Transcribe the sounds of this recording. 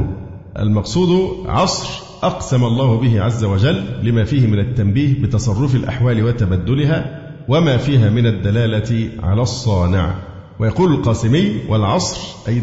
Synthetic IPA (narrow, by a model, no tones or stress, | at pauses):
ʔa̰lmɑqsˤuːd̪ʊʕɑsˤɾ | ʔɑqsamalˤːɑːhʊbɪɦɪʕazːawad͡ʒælːɪmæːfiːhɪmɪnat̪ːambiːhbɪt̪ɑsˤɑrˤːʊfɪlʔa̰ħwaːlɪwat̪abæd̪ːʊlɪɦaː | wamaːfiːɦaːmɪnad̪ːalaːlat̪ɪʕa̰læːsˤːɑːnɪ̰ʕ | wajɑquːlʊlqɑːsɪmɪjːwʔalʕɑsˤɾʔaj